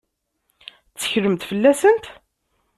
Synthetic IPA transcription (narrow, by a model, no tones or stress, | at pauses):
t͡sːə̥çləmt̪fəlːæsənt̪